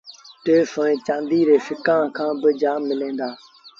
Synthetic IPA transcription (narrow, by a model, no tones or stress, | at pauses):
t̪eːfə̃ːẽːt͡ʃãːnd̪iːɾeːfɪkãːkʰãːbɪd͡ʒaːmːɪlẽːnd̪aː